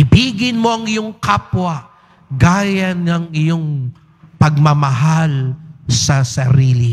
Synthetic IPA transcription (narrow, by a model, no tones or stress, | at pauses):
ɪbiːɡɪnmo̞ʔɐŋɪjoŋkaːpwɐ | ɡaːjɐnŋɐŋɪjoŋ | pɐɡ̚mɐmɐɦalsɐsɐɾiːli